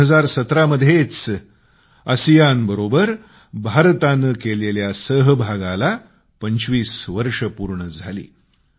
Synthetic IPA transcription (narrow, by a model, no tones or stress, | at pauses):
ɦəd͡zaɾsət̪ɾaməd̪ʱːjet͡s | əsijanbəɾobəɾ | bʱaɾt̪anəkeleljasəɦbʱaɡala | pəɲt͡ɕʋiːsʋəɾʂəpuɾɳəd͡zʱalḭː